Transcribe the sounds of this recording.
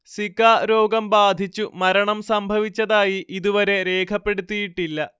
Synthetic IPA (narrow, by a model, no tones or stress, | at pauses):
sikaːɾo̞ːɡɐmbaːd̪ʱit͡ɕːumɐɾɐɳɐmsɐmbʱɐʋit͡ɕːɐðaːjiʔiðuʋɐɾe̞ɾe̞ːkʰɐpːe̞ɽut̪ːijiʈːilːɐ